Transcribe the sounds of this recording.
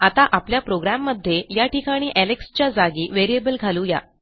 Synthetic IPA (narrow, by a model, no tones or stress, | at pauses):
at̪aʔapljapɾoɡɾamːəd̪ʱːjejaʈikaɽ̃iːʔælekst͡ɕjad͡zaɡiːʋeɾiebəlɡʱaluja̰